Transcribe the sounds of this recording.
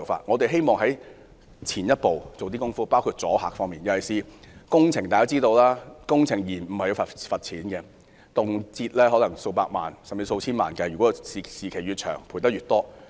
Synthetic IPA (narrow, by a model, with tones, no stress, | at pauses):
wfa̰ː˧t̚ŋɔ˨˧t̪e˨jɦe˥jmɔː˨ŋɦɐ˨˥j | t͡sʰiː˨˩njɐ˥t̚po˨wt͡so˨wt̪̬iː˥kʊ˥ŋfuː˥paː˥wkʰu˧t̚t͡sɔː˨˥haː˨k̚fɔː˥ŋmiː˨njɐ˨wɐ˨˩jsiː˨kʊ˥ŋt͡sʰɪ˨˩ŋt̪aː˨˩kaː˥t͡siː˥t̪o˧wlaː˥kʊ˥ŋt͡sʰɪ˨˩ŋjiː˨˩nm̩˨˩hɐ˨ji˨˧wfɐ˨fɐ˨t̚t͡sʰiː˨˥nkɛ˧ | t̪ʊ˨ŋt͡siː˧t̚lɛ˥ɦɔː˨˥lɐ˨˩ŋso˧wpaː˧k̚ma̰ː˨nsɐ˨mt͡si˨˧so˧wt͡sʰiː˥nma̰ː˨˩nkɛ˧jyː˨˩kɔ˨˥˧i˨siː˨kʰe˨˩jyː˨˧t͡ʃʰœ̰ː˨˩ŋpʰu˨˩t̪ɐ˥t̚ɥyː˨t̪̚ɔː˥